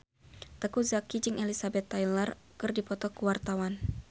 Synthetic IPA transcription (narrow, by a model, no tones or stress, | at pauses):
t̪əkuzakid͡ʒɨŋʔɛlisabɛt̪ːajlarkɨrdipɔt̪ɔkuwart̪awan